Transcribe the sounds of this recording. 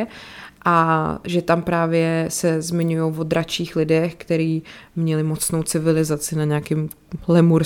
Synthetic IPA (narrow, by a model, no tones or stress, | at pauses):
ʔaʒɛt̪ampɾaːvjɛsɛzmɪɲujowvod̪ɾat͡ʃiːxlɪdɛxkt̪ɛɾiːmɲɛlɪmot͡sno̞wt͡sɪvɪlɪzat͡sɪnaɲɛakɪm | lɛmuɾ